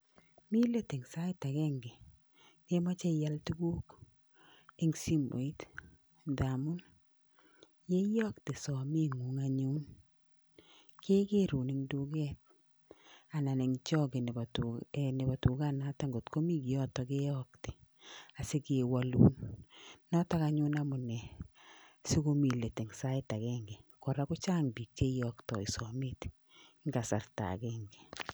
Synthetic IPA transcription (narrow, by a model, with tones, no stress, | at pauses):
mi˦le˦te˨ŋsa˦ɪ˦ta˨kɛ˦ŋɡe˨ | ke˦ma˦t͡ʃɛ˦ja˦ltu˦ɡuː˦k | e˦ŋsi˦mo̰˨i˦t | da˨mu˦n | je˦jɔ˦kte˨sɔ˨mi˦ŋu˨ŋa˨ɲu˦n | ke˦ke˦ɾu˨niŋdu˦ɡɛ˦t̚ | a˨na˨nɛ˨ŋt͡ʃɔ˦ɡe˨n˨btne˨ba˨tu˨ka˦na˨ta˦ŋɡo˨tko˦mi˦ki˨ɔ˦tɔ˨ke˦ɔ˦kte̥˨ | a˨se˦ke˨wa˦lṵː˦nː | ɔ˦ta˦ka˦ɲu˦na˦mʊ˨nɛ˨ | si˦ko˦mi˨le˨te˨ŋsa˦ɪ˦ta˨kɛ˦ŋɡe˨kɔ˨ɾa˦kʊ˦t͡ʃa˦ŋbi˨k̚t͡ʃe˦jɔ˦ktɔ˨i˨sɔ˨mi˦tː | ŋɡa˨sa˨rta̰˨kɛː˦ŋɡe˨